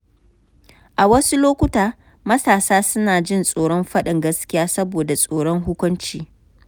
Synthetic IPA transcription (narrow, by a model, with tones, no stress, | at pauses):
ʔa˨wɐ˦su˦loː˦kʷʊ˦taː˦ | mɐ˦saː˨saː˦sʊ˦naː˨d͡ʒɪ˦nsʼoː˨ɽɔ˦mɸɐ˦ɗɪ˨ŋɡɐ˦skʲɪ˦jaː˦sɐ˦boː˨da˨sʼoː˨ɽɔ˦ŋɦʊ˦kʷʊ˦nt͡ʃiː˦